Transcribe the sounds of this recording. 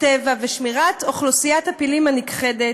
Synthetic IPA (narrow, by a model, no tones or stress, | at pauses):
tevaveʃmiʁat̪oχlosijathapilimanikχedet